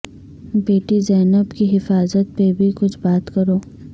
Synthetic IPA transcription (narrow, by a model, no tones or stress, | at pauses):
beːʈizɛːnəbkiɦɪfaːzət̪̚pebʱikʊt͡ʃʰbaːt̪kɐɾoː